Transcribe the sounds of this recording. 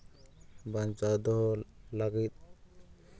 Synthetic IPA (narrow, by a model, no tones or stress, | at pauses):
bant͡ʃad̪ɔɦɔlaɡit̪̚